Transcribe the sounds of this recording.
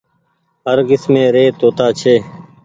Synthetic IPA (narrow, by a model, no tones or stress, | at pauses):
ɦəɾkɪsmẽːɾeːt̪oːt̪aːt͡ʃʰeː